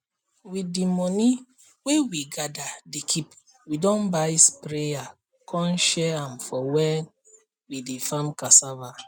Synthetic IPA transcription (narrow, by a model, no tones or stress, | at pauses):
widimɔni | wewiɡadadikʰip | widɔ̃nbaispɾeja | kʰɔ̃nʃɛãmfɔwɛ̃n | widefãmkasava